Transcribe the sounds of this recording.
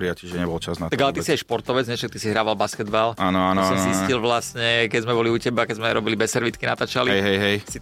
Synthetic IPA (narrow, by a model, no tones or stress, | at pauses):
ɾiaciʒɛɲɛbɔlt͡ʃaznat̪aɡalɛt̪isiajʃpɔɾt̪ɔʋɛd͡zɲɛfʃak̚t̪isiɦɾaːʋalbaskɛd̪balaːnɔanɔsɔnziisilʋlastɲɛkɛzmɛbɔliucɛbakɛzmɛɾɔbilibɛsːɛɾʋit̪kina̰t̪aːt͡ʃaliɛjɦɛjɦɛjsi